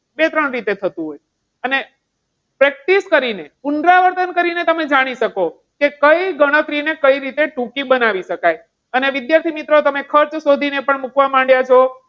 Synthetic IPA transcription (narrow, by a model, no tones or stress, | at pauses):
bet̪ɾəɳɾit̪et̪ʰət̪ũɦoj | əne | pɾɛk̚ʈiskəɾineunɾaʋəɾt̪ənkəɾinet̪əmed͡ʒaɽ̃iʃəko | kekəiɡəɽ̃ət̪ɾinekəiɾit̪eʈũkibənaʋiʃəkaj | əneʋɪd̪jaɾt̪ʰimit̪ɾot̪əmekʰəɾt͡ʃsod̪ʱinepəɳmukʋamãɳɖjat͡ʃʰo